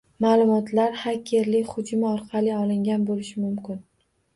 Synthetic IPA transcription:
maːlˠʊmɒt̪laɾhakʲʰeɾlɪkʲχʊd͡ʒʊmɪɒɾqʰɑlɪɒlɪŋɡʲanbolɪʃɪmʊmkʲɪn

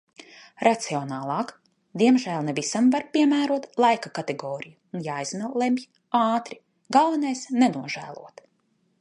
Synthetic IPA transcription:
ɾat̪siɔnaːlˠɑːk | d̪iɛmʒæːlˠnɛvisamvaɾpʲiɛmæːɾuɔt̪lˠajkakat̪eɡɔːɾijuːnjaːjzmɛlˠemʲji | aːt̪ɾi | ɡalˠvanajsnenuɔʒæ̰ːlˠṵɔt̪

